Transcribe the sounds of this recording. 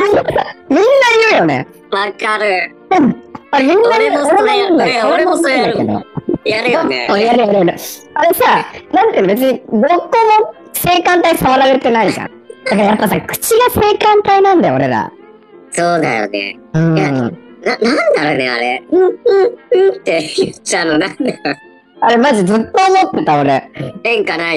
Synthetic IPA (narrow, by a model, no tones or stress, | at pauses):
mʲĩnːaiɯ̟jo̞nḛ | βakaɾɯ | aɾemʲĩnːaoɾeɡaiɯ̃nd̪aooɾɾemõnakḛd̪o̰jaɾoõjaɾɯjaɾeɾɯ | aɾesanãnt̪ẽnobe̞t͡s̬ɨɲ̟id̪okːono | se̞ːkãnt̪aisaβaɾaɾet̪ːenaikã̰ | d̪̥akaɾajapːasakɯ̟̥t͡ɕiɡase̞ːkãnt̪ainãnd̪ajoɾe̞̰d̪a̰ | soːd̪a̰jo̰nḛ | ɯ̟̃jananãnd̪aɾonea̰ɾeɯ̟̃ɯ̟̃ɯ̟̃t̪ːejɯanonand̪a | aɾe̞maʑizɨt̪ːo̞ːmo̞t̪ːe̞t̪ao̞ɾeẽŋkana